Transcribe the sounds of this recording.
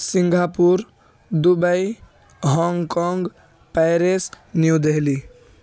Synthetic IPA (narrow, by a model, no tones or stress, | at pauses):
siŋɡʱapuɾ | d̪ubəj | ɦɔŋkɔŋɡ | pɛjɾes | njud̪eɦli